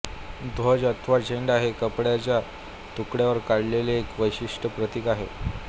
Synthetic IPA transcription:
d̪ʱod͡ʑət̪ʰʋad͡ʑeɳɖaɦekəpɽjat͡ɕja | t̪ukɽjaʋəɾkaɽleleːkʋəjɕiʂʈʰəpɾət̪ikaɦe

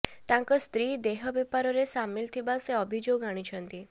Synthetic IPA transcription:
t̪ãŋkɔst̪ɾiːd̪eɦəbepaɾɔɾesamːilt̪ʰibaseəbʱid͡ʒoɡaɽ̃it͡ʃʰənt̪i

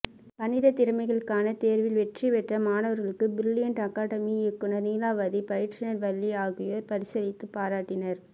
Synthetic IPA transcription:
pɐnɪðɐt̪ɪɾɯmɐɪɣɐɭɯkːaːnɐt̪eːɾʋɪlʋɛʈriʋɛʈrɐmaːnɐʋɐɾɣɐɭɯkːɯbɪɾɪlːɪjɐɳʈɐkaːɽɐmiɪkːɯnɐɾniːlaːʋɐðipɐjɪʈʈt͡ʃɪnɐɾʋɐlːiaːɣɯjɐɾpɐɾɪsɐlɪt̪ːɯpːaːɾaːʈːɪnɐɾ

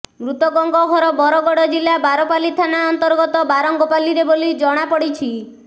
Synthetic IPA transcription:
mɾut̪ɔɡɔŋɡɔɡʱɔɾɔbɔɾɔɡɔɽɔd͡ʒilabaɾɔpalit̪ʰanaɔnt̪ɔɾɡɔt̪ɔbaɾɔŋɡɔpaliɾebolid͡ʒɔɽ̃apɔɽit͡ʃʰi

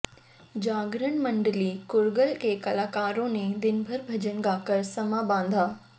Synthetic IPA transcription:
d͡ʑaːɡɾən̆mɐ̃ɳɖəliːkʊɾɡəlkeːkɐlaːkaːɾõnẽd̪ɪnbʱəɾbʱɐd͡ʑənɡaːkəɾsɐmabãːnd̪ʱaː

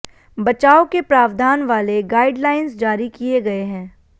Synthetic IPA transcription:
bɐt͡ʃaːokepɾaːʋd̪ʱaːnʋaːleɡaːɪɖlaːɪnsd͡ʒaːɾikijeɡɐeɦɛ̃ː

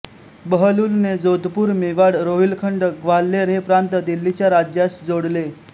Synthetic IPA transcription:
bəɦəluːlned͡zod̪ʱpuːɾmiʋaɽɾoɦilkʰəɳɖɡʋalːeɾɦepɾant̪əd̪ilːit͡ɕjaɾad͡ʑjasd͡zoɽle

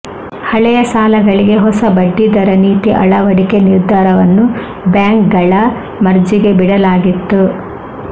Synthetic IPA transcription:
hɐɭɛjɐsaːlɐɡɐɭiɡe̞ɦɔsɐbɐɖːid̪ɐɾɐniːt̪iʔɐɭɐʋɐɽike̞niɾd̪ʱːaːɾɐʋɐnːu | bjaːŋkɡɐɭɐ | mɐɾd͡ʒiɡe̞biɽɐlaːɡit̪ːu

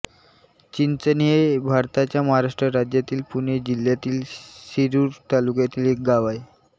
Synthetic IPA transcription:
t͡ɕint͡sənijebʱaɾt̪at͡ɕjaməɦaɾaʂʈɾəɾad͡ʑjat̪iːlpuɳ̃ed͡ʑil̤jat̪iːlɕiɾuːɾt̪alukjat̪iːlek̚ɡaʋaj

